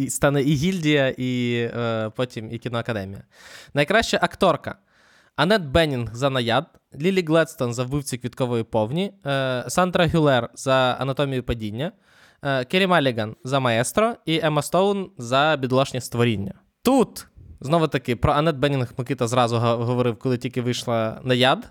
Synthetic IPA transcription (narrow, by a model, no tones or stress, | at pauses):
st̪ɑnɛiɦʲilʲdʲijɐʔi | pɔtʲimikʲinɔɐkɐd̪ɛmʲijɐ | nɐjkɾɑɕt͡ʃɛʔɐkt̪ɔrkɐ̰ | ɐnɛt̪̚bɛnʲinɣzɐnɐjad̪̚ | lʲilʲiɡlˠɛt̪st̪ɔnzɐwbɨwt͡sʲikʋʲit̪kɔʋɔjipɔwnʲisɑnd̪ɾɐɦʲʊlˠɛrzɐɐ̰nɐt̪ɔmʲijʊpɐdʲinʲːɐ | keɾʲimalʲiɡɐnzɐmɐɛst̪ɾɔiʔɛmɐst̪ɔlˠʊnzɐbʲid̪lˠɔʃnʲɛst̪ʋɔɾʲinʲːɐ | t̪ut̪znɔʋʊt̪ɐkɪpɾɔɐnɛd̪̚bɛnʲinxmɔkʲɪt̪ɐzɾɑzʊɦɦɔʋɔɾɪwkɔlˠɪtʲilʲkɪʋɪʃlˠɐnɐjɑd̪